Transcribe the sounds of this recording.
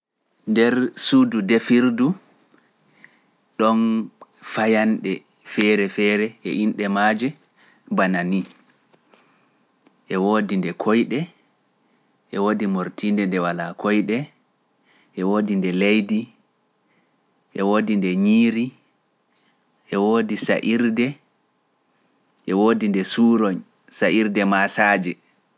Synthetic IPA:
ndɛɾsududɛfiɾdu | ɗɔnfajanɗɛ | fɛɾɛfɛɾɛʔɛʔinɗɛmad͡ʒɛ | banani | ʔɛwoːdindɛkʰɔjɗɛ | ʔɛwoːdimoɾtindɛndɛwalakʰɔjɗɛ | ʔɛwoːdindɛlejdi | ʔɛwoːdindɛɲiːɾi | ʔɛwoːdisa̰ʔiɾdɛ | ʔɛwoːdindɛsuːɾɔɲ | saʔiɾdɛmasaːd͡ʒɛ

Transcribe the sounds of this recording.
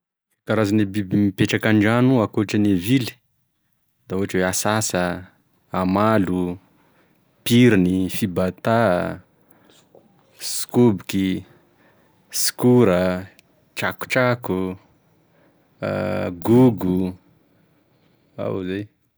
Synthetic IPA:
kaɾazanibimipeʈ͡ʂakaɳɖ͡ʐanuakuaʈ͡ʂənevili̥ | d̪̥auɦaʈ͡ʂweasasə | amalu | piɾinifibat̪a | si̥kubiki | si̥kuɾə | ʈ͡ʂaku̥ʈ͡ʂaku | ɡuɡu | a̰wzaj

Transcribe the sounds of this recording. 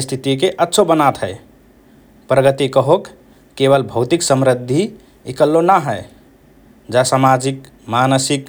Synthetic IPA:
ist̪ʰit̪ikeʔətːʃʰobənat̪ɦəɪ | pɾəɡət̪ikəɦokː | eβəlbʱəʊt̪iksəmɾəd̪ʱːi | ikəlːonaɦəe | d͡ʒasamad͡ʒik | manəsik

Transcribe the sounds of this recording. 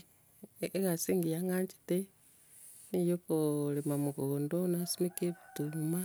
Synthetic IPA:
ekasiːŋɡiaŋɡaɲt͡ʃi̥te | nijokolemamuɣoːndonasimekeβituma

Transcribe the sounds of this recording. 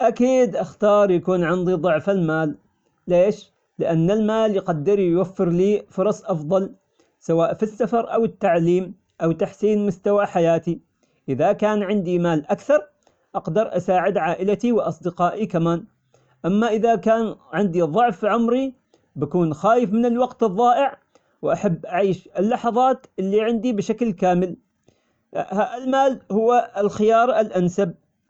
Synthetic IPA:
ʔakiːd̪ʔaxt̪ɑːɾˤjakuːnʕɪnd̪iðˤʊʕfalmaːlː | eːʃ | lɪʔanːalmaːljqad̪ːɪɾjwafːɪɾliːfʊɾˤɑsˤʔɑfðˤɑl | sawaːʔfisːafɑɾˤʔa̰wɪt̪ːaʕliːm | ʔawt̪aħsiːnmʊst̪awaħajaːt̪i | ʔɪðakaːnʕɪnd̪imaːlʔakθɑɾˤ | ʔɑqd̪ɑɾˤʔasaːʕɪd̪ʕaːʔɪlat̪iwɪʔɑsˤd̪ɪqɑːʔikamaːn | ʔamːaʔɪðakaːnʕɪnd̪iðˤʊʕfʕʊmɾi | bakuːnxaːjɪfmɪnɪlwɑɡt̪ɨðˤːɑːʔɪʕ | wʔaħabːʔaʕiːʃɪlːɑħɑðˤɑːt̪ʔɪlːiʕɪnd̪ibɪʃaklkaːmɪl | haːalmaːlhʊwːaɪlxɪjɑːɾˤɪlʔansab̚

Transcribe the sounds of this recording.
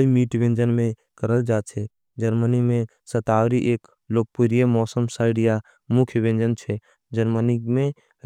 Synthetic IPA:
imiːʈʋẽnd͡ʒənmẽ | kəɾəld͡ʒaːt͡ʃʰɛ | d͡ʒəɾmənimẽ | sət̪aːwɾiʔeːk | loːk̚puɾijəmɔːsəmsaːɪɽija | mʊkʰjʋẽnd͡ʒənt͡ʃʰɛ | d͡ʒəɾmənimẽ

